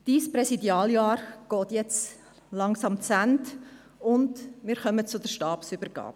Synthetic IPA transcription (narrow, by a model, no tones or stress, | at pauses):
d̥iːsprɛsidjɑːljɑːrɡ̥oːtjɛt͡s | lɑŋsɑmt͡sænt | ʊndmɪːɾχœmət͡sʊdəɾʃtɑːpsybəɾɡ̥ɑ̰ːp